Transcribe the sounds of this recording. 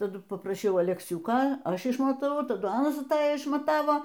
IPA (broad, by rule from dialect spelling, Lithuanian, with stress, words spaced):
tɐˈdʊ pɐprɐˈʃʲɛʊ ɐlʲɛkˈsʲʊkoː ˈɐʃ ɪʃmɐtɐˈʋɐʊ tɐˈdʊ ˈɑːnɐs ɐˈtɑːjɛ ɪʃmɐˈtɑːʋoː